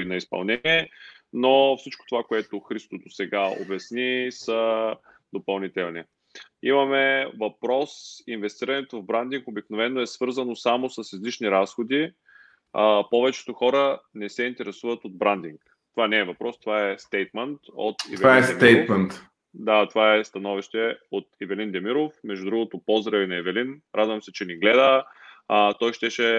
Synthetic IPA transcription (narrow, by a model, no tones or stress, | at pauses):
inɐispɐ̰lˠnɛiɛ | nofsit͡ʃko̥t̪ovakoɛt̪oxɾist̪od̪osɛɡao̰bɛsnisə | d̪opɐlˠnit̪ɛlˠni | imɐmɛvɐpɾɔsinvɛst̪iɾənɛt̪ovbɾand̪iŋkobiknovɛnːoɛsvɤɾzənosamosəsizlit͡ʃniɾasxod̪i | əpɔvɛt͡ʃɛ̥t̪oxɔɾənɛsɛint̪ɛɾɛsuvət̪od̪̚bɾand̪iŋk | t̪ovanɛːvɐpɾɔst̪ovaɛst̪ɛjt̪mɛnt̪o̰t̪ḭvvaɛsɛjt̪mɛnt̪ | d̪at̪ovaɛst̪ɐnɔviʃt̪ɛot̪ivɛlind̪ɛmiɾofmɛʒd̪ud̪ɾuɡot̪opɔzɾɛvinɐɛvɛlinɾʔad̪vɐmsɛt͡ʃɛniɡlɛd̪ə | t̪ɔjʃt̪ɛʃɛ